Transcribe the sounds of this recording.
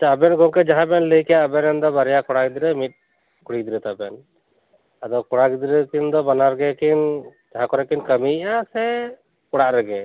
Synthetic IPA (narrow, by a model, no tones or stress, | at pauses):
at͡ʃʰaəbɛnɡɔ̃kɛd͡ʒaɦãbɛnləjkɛaəbɛnɛnd̪ɔbaɾɛjakɔɽaɡid̪iɾɛmit̪̚ | kuɽid̪iɾɛt̪abɛn | ad̪ɔkɔɽaɡid̪iɾɛkind̪ɔbanaɾɡɛkind͡ʒaɦãkɔɾɛkinkəmiʔasɛ | kɔɽaʔɾɛɡɛ